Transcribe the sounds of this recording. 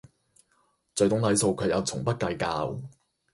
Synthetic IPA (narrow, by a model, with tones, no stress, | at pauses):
t͡sɵ˨˧ɥt̪ʊ˨˥ŋlɐ˨˥jso˨˧wkʰɵ˨˧ɥjɐ˨˧wt͡sʰʊ˨˩ŋpɐ˥t̚kɐ˧jkaː˧w